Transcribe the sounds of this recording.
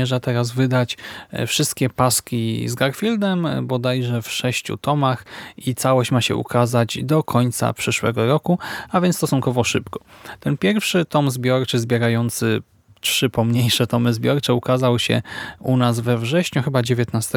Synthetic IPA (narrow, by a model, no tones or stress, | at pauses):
ɛʐat̪ɛɾazvɘd̪at͡ɕfʂɘst̪kʲɛpaskʲizɡaɾfʲild̪ɛmbɔd̪ajʐɛfʂɛɕt͡ɕṵt̪ɔmaxit̪sawɔɕt͡ɕmaɕɛ̰ʔṵkʰazad͡ʑd̪ɔkʰɔɲt̪sa̰pʂɘʂwɛ̰ɡɔɾɔkuavʲjɛnst̪ɔsuŋkɔvɔʂɘpkɔ̥t̪ɛnpʲjɛɾfʂɘt̪ɔmzbʲjɔɾt͡ʂɘzbʲjɛɾajɔnt̪sɘ | t͡ʂʂɘpɔmɲejʂɛt̪ɔmɘzbʲjɔɾt͡ʂɛukazawɕɛ̰unazvɛvʐɛɕɲuxɘbad͡ʑevʲjɛt̪nast̪ɛ